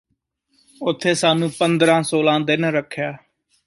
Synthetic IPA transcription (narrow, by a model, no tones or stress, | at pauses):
ʊt̪ʰːeːsaːnũːpənd̪ɾãːsoːlãːd̪ɪnɾəkʰːjaː